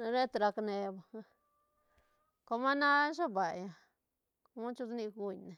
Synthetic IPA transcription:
ɾe˦t̪ɾa˧kne˧ba˨˧ | ko˧ma˦nã˦ʃa˦ba˨ja˨ | ko˧mã˦t͡ʃu˧zni˧ɡu˧ɲne˨

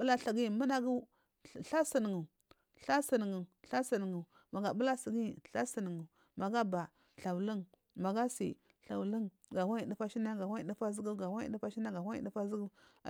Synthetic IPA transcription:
bu˦la˦ɬa˨ɡi˦˨mə˦na˦ɡu˦˨ | ɬa˦sə˨n˨ŋu˨ | ɬa˦sə˨n˨ŋu˨ɬa˦sə˨n˨ŋu˨ | ma˨ɡa˨bu˦la˦si˨ɡi˦˨ɬa˦sə˨n˨ŋu˨ | ma˨ɡa˦ba˨ | ɬa˨wlə˦ŋ | ma˨ɡa˦sḭ˨ | ɬa˨wli˦ŋ | ɡa˨wa˦ji˨di˦pa˦ʃi˦na˦ɡa˨wa˦i˨di˦pa˦zi˦ɡu˦ɡa˨wa˦ḭ˨˦di˦pa˦ʃi˦na˦ɡa˨wa˦ḭ˦˨di˦pa˦zi˦ɡu˦˨

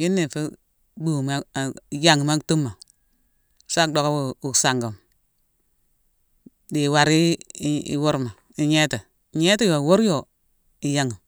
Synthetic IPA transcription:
ji˦nːi˨fi˦ | bu˨ma˦˨ja˨ŋ˨ma˦tu˦mːa˨ | sa˦do˦˨ka˦wu˨u˨sa˨ŋɡu˨m | di˨wa˨ɾi˦ḭ˨wo˦ɾma˨ | i˨ɲe˦te˨ | ɲe˦ti˦jo˨wo˦ɾjo˨ | i˨ja˨ŋu˨

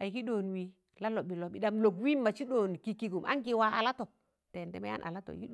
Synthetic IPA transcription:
a˨ji˨ki˦ɗo˨n˨wi˦ | la˦lo˨ɓi˨lo˨i˨da˨mlo˨kwi˦mːa˨t͡ʃi˦ɗo˨n˨ki˨ki˨ɡu˨mʔa̰˦ŋki˦wa˨˦a̰˨la˦to˨ | te˨ntɛ˦ma̰˦ja̰˦nʔa̰˨la˦to̰˨j̰ki˦

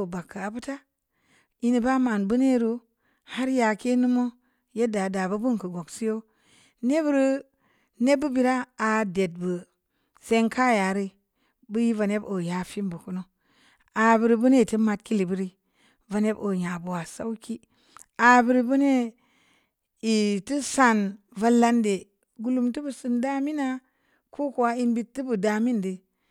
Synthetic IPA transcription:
o˨ba˨kːa˨bu˦ta˦ | i˦ni˨ba˦ma˨nbu˦ne˦˨ɾu˦ | ha˦ɾja˨ke˦nu˦mo˦ | je˦da˨da˨bu˦bu˦nkə˨ɡo˨ksi˦jo˦ | ne˦bu˦ɾi˦ | ne˦bːɨ˦bi˨ɾa˦a˨de˨t̚bə˨ | se˦ŋkʰa˦ja˨ɾi˦ | bɨ˦ji˦va˨ne˦bo˨ja˨fi˦mbu˨ku˦no˦ | a˨bi˨ɾi˦bu˦ne˦i˨ti˦ma˨t̚ki˦li˨bi˦ɾi˦ | va˨ne˦bo˨ɲa˨bu˨wa˨sa˦wki˦ | a˨bi˨ɾi˦bu˦ne˦ | i˨ti˦sa˨n | va˦lːa˦nde˨ | ɡu˨lu˨mtu˦bu˨su˨nda˦mi˦na˦ | ku˦ku˨a˦i˦nbi˨tːɨ˦bu˨da˨mi˦ndi˨

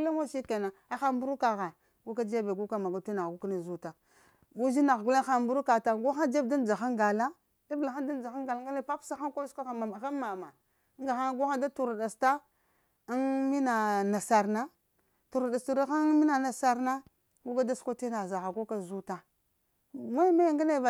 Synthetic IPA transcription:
la˦wa˦ʃi˦ka˨na˨a˦xa˦mbu˦ɾu˦ka˨ɣa˨ | ɡu˦ka˦d͡ʒe˦be˨ɡu˦ka˦ma˨ɡa˨ti˦na˨ɡu˦ka˦na˦˨zu˦ta˨ | ɡu˦zi˦na˨ɡu˦la˦xa˦mbu˦ɾu˦ka˨ta˨ɡu˦xa˦d͡ʒe˦bda˦n˦d͡ʒa˨xa˦ŋɡa˨la˦ | i˦bla˨xa˦da˦n˦d͡ʒa˨xa˦ŋɡa˨la˦ŋ˦ɡa˦la˦pa˦psa˦xa˦ko˦ska˦a˨ma˨a˨xa˦ma˨ma˨˦ | ŋɡa˨xa˦ɡu˦xa˦da˦tu˨ɾa˨da˨sta˦ | a˦nmi˦na˨na˨sa˨ɾna˦ | tu˨ɾa˨da˨sta˨da˦xa˦mi˦na˨na˨sa˨ɾna˦ | ɡu˦ka˦da˦ska˦te˦na˨za˨xa˨ɡu˦ka˦zu˦ta˦˨ | ma˦jma˦ja˦ŋɡa˦le˦˨v

